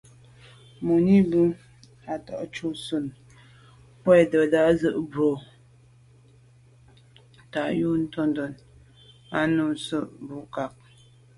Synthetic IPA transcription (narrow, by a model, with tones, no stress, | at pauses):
mu˨ni˦bu˦ | a˨tɔ˨ʔt͡ʃu˦su˨n | pwɛ˦˨də˨da˨˦zə˦ʔbo˨˦ | ta˨ju˦n̩˦tɔ˦ndo˨n | a˦nu˦˨sə˦˨ʔbu˨˦ka˨k̚